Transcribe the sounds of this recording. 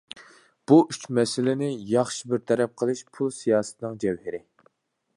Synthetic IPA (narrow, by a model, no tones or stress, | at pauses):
b̥uʔyt͡ʃmɛsɪlɪnɪjɑχʃibɪɾt̪ʰɛɾɛp̚qʰəlˠɨʃpʰulˠsijɑːsɨ̥t̪ʰɨnɨŋd͡ʒɛwhɪɾɪ